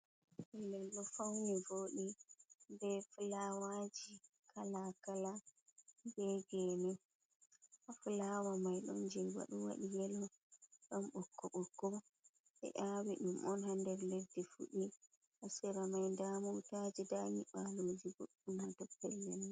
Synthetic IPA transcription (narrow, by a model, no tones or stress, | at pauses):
ɛlːɛlɗɔfawnɛvoːɗibɛfulawad͡ʒi | kʰalakala | bɛɡɛːnɛ | afulawamajɗɔ̰nd͡ʒɛwa̰ɗuwa̰ɗijɛlɔ | ɗɔmɓɔkːɔɓɔkːɔ | ɓɛ̰ʔawiɗumʔɔnhandɛɾledːifṵɗi | ʔasiɾamajndamutad͡ʒidaɲiɓalod͡ʒiɡoɗːunatɔpːɛlːɛn